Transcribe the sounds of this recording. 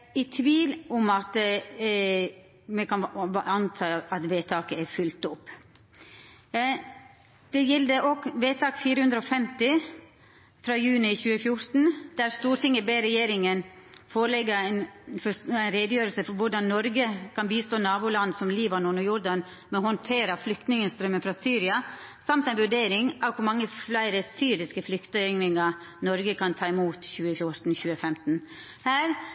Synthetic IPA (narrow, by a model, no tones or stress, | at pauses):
æt̪ʰʋiːlʊmɑt̪ | mɛkʰɑnɑnt̪ʰɑːɑt̪ʋeːt̪ʰɑːkəæɾfʉlt̪ʊpː | d̪̥ɛjɛld̪əʔɔkʋeːt̪ʰɑːkfiːɾəhʉnd̪ɾəɔfɛmt̪ɪ | fɾɑːjʉːnɪçʉːəfjʊɾt̪n̩d̪̥æɾst̪uːɾt̪ɪŋːəbeɾɛjeːɾɪŋənfoːɾəlɛɡəɾæɪnfɔæɪnɾed̪əjøːɾəlsəfɔɾʋʊɖɑnːɔɾɡəkʰɑnbiːst̪oːnɑːbʊːlɑnːsɔmliːbɑnɔnɔjʊɾdɑn | mɛhɔnt̪ʰeːɾɑflʏkt̪nɪŋəst̪ɾœmːənfɾɑsyːɾɪɑ | sɑmt̪ɛɪnʋʉɖeːɾɪŋʔɑʋkʰʊɾmɑŋːəflæɪɾəsyːɾɪskəflʏkt̪əɛŋnɪŋɑ | nɔɾɡəkʰɑnt̪ʰɑːɪmuːt̪çʉːəfjʊɾt̪n̩çʉːəfɛmt̪n̩ | hæːɾ